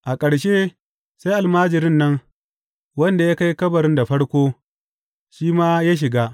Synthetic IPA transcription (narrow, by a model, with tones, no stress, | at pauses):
ʔa˨kʼɐ˨ɽʃeː˦ | sa˦jʔa˨lmaː˦d͡ʒɪ˨ɾɪ˦nːɐ˦ŋ | wɐ˦nda˨ja˦ka˦jkɐ˦bɐ˨ɾɪ˦nda˨ɸɐ˦ɽkʷoː˦ | ʃiː˦maː˦jaː˦ʃ̬ɪ˨ɡaː˦